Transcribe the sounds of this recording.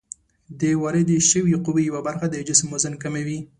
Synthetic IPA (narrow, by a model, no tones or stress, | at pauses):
d̪əwɑɾed̪əʃəwiquwejawabaɾxad̪əd͡ʒɪsmːozənkamewi